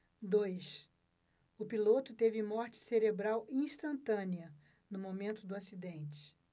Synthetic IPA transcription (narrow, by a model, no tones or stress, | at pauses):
d̪ojs | ʊpilot̪ʊt̪evɪmɔɾt͡ʃɪ̥seɾebɾawĩst̪ɐ̃nt̪ɐ̃niɐ | nʊmomẽnt̪ʊd̪ʊasid̪ẽnt͡ʃɪ̥